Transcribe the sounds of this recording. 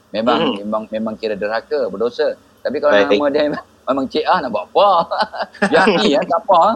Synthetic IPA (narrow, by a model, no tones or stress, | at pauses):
memaŋmemaŋmemãŋkiɾədəɾakəbədosə | t̪apikalaaŋamədəmemaŋ | memaŋt͡ʃeʔahnaʔbaʔpa | jakiakapa